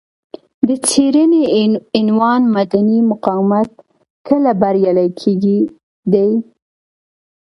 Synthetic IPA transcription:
d̪ət͡seɾəneɪnwɑnmad̪animʊqɑwɪmat̪̚ | kəlabaɾjɑlajkʰeɡi | d̪aj

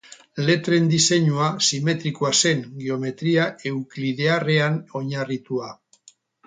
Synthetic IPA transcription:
le̞t̪ɾe̞nd̪ise̞ɲuasime̞t̪ɾikoase̞ŋɡeo̞me̞t̪ɾiaʔe̞wkliðe̞are̞ano̞ɲarit̪ua

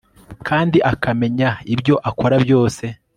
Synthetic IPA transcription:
kʰaːndiʔakame̞ɲaibjo̞ʔako̞ɾabjo̞ːse̞

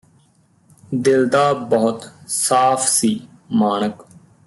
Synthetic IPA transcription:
d̪ɪld̪aːbəɦʊt̪saːpʰsiː | maːnək

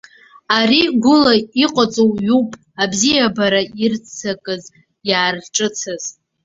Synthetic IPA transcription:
ariɡʷʊlaiqʷʼat͡sʼowɥupʼ | abzijabaɾairt͡sʰakʼɨz | jaːrʈ͡ʂʼɨt͡sʰɨz̥

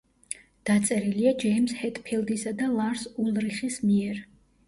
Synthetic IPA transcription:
d̪̥at̪sʼɛɾiliad͡ʒɛjmshɛt̪ʰʼpʰilˠd̪isad̪alˠaɾsulˠɾiχismiɛɾ

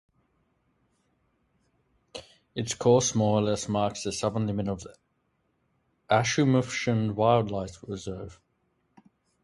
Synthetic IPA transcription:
ɪtskʰɔˑsmɔːɹəlɛsmɑˑksðəsʌvə̃nlɪmɪ̃nəv | ʔaʃəməfʃə̃nwaɪlˠdˡlaɪtɹɪzɜːv̥

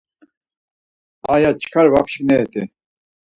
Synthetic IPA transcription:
ajat͡ʃʰkʰaɾva̰pʰʃknɛːt̪ḭ

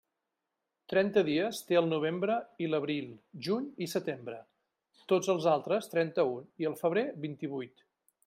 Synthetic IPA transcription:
t̪ɾɛnt̪əðiəst̪eəlˠnuβ̞embɾəiləβɾilˠʒuɲisət̪embɾə | t̪od͡zəlˠzalˠt̪ɾəst̪ɾɛnt̪əuniəlˠfəβɾeβint̪iβ̞ujt̪

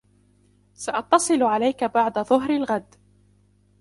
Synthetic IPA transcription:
saʔɑt̪ːɑsˤɨlʕalajkabaʕd̪aðˤʊɦɾalɣad̪

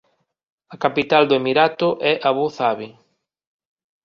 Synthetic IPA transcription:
ɐkapit̪ald̪ʊemiɾat̪ʊʔɛʔaβuθaβi

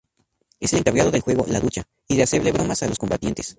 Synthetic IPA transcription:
e̞se̞le̞ŋkaβað̞o̞ðe̞lxwe̞ɣo̞̰laðut͡ʃa | iðease̞βle̞βɾo̞masalosko̞mbat̪je̞nt̪e̞̥s

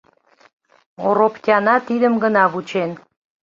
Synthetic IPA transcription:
oɾopkʲɑnɑt̪id̪əmɡənɑβut͡ɕen

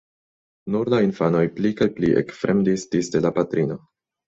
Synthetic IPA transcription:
nuɾlainfano̞jplikajpliʔḛkfɾʔe̞mdisdisde̞lapatɾino̞

